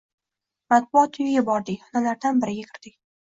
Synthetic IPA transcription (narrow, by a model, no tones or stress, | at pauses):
mat̪̚bʊɒt̪ʰʊjɪɡʲabɒɾd̪ɪkʲɒnalaɾd̪anbɪɾɪɡʲakʲʰɪ̥ɾd̪ɪk̚ʲ